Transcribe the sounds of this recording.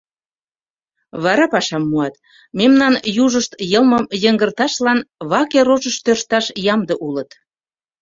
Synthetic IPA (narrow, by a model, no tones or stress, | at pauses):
βɑɾɑpɑʃɑmːuɑt̪ | memnɑnjuʒəʃt̪jəlməmjəŋɡərt̪ɑʃlɑnβɑkeɾoʒəʃt̪ørʃt̪ɑʃjɑmd̪əʔulət̪